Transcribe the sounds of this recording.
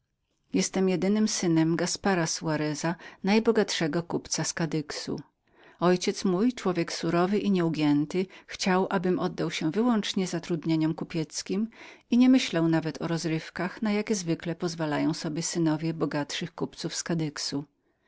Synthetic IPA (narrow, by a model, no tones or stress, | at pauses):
jɛst̪ɛmjɛd̪ɘnɘmsɘnɛmɡaspaɾasuwaɾɛzanajbɔɡat̪ʂɛɡɔkupt̪saskad̪ɘksṵ | ɔjt͡ɕɛt̪smujt͡ʂwɔvʲjɛksuɾɔvɘʔiɲɛuɡʲjɛnt̪ɘxt͡ɕawʔabɘmɔd̪ːawɕɛvɘwɔnt͡ʂɲɛzat̪ɾud̪ɲeɲɔmkupʲjɛt̪skʲimiɲɛmɘɕlawnavɛt̪ʰɔɾɔzɾɘfkaxnajakʲɛzvɘklɛpɔzvalajɔ̃w̃sɔbʲjɛsɘnɔvʲjɛbɔɡat̪ʂɘxkupt̪sufskad̪ɘksu